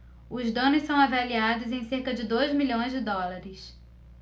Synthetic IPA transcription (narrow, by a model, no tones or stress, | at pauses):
ʊzd̪ɐ̃nʊssɐ̃w̃avaliad̪ʊzẽj̃seɾkɐd͡ʒɪd̪ojzmiʎʲõj̃zd͡ʒɪd̪ɔlaɾɪs